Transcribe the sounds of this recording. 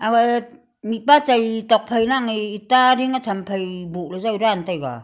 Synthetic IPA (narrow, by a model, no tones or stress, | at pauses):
aɡa | nipat͡ʃajtɔk̚pʰajnaŋiːtaɾiŋat͡ʃʰampʰajbuʔlazawɾantajɡa̰